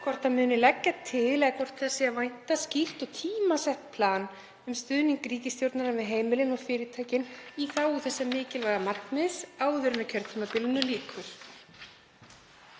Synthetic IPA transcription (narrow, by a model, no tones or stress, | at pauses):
kʰvɔr̥t̪aðmʏːnɪlɛcːat̪ʰɪðlɛðakʰɔr̥t̪θɛsːɪavajn̥t̪asciht̪ɔɣt̪ʰiːmasɛht̪pʰlaːn | ʏmst̪ʏːðniŋkɾiːcɪst̪jowɾt̪naɾavɪðɦeːjmɪlɪnɔɣfɪːɾɪt̪ʰaːjcɪniθawuθɛsːɛmɪːcɪlvaɣamat̪nmɪðsaːwðʏɾʏnʏcʰœɾt̪ʏmapɪlnʏliːkʰʏɾ̥